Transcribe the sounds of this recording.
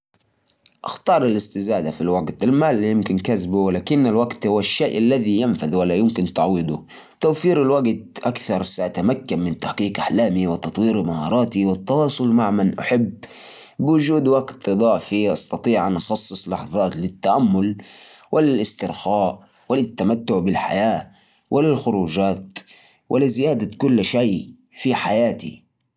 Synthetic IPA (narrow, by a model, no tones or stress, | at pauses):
ʔa̰xt̪ɑːɾˤɪlɪst̪ɪzaːd̪afilwaɡt̪ɪlmaːlːjɪmkɪnkazbuwɪlaːkɪnːalwaɡt̪hʊwːaʃːeːʔalːaðijanfaðwalːajɪmkɪnt̪aʕwid̪ʊ | t̪awfiːɾɪlwaɡt̪̚ʔakθɑɾˤsaʔt̪amakːanmɪnt̪aħqiːqʔaħlaːmiwɪt̪ɑt̪ˤwiːɾmahɑːɾˤɑːt̪iwɪt̪ːɑwɑːsˤʊlmaʕmanʔaħabː | bɪwʊd͡ʒuːd̪waɡt̪ɨd̪ˤɑʕfiʔɑst̪ɑt̪ˤiːʕʔanʔɑxɑsˤːɨsˤlɑħðˤɑːt̪lɪt̪ːaʔamːʊl | wɪlɪlɪst̪ɪɾxaːʔ | wɪlɪt̪ːamat̪ːʊʕbɪlħa̰jaː | wʔɪlɪlxʊɾuːd͡ʒaːt̪ | wʔɪlɪzɪjaːd̪akʊlːʃaː | fiħajaːt̪ḭ